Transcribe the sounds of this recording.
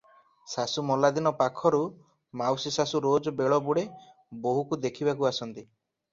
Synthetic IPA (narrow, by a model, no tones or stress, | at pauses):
sasumɔlad̪inɔpakʰɔɾu | mawsisasuɾod͡ʒɔbeɭɔbuɽe | boɦukud̪ekʰibakuasɔnt̪i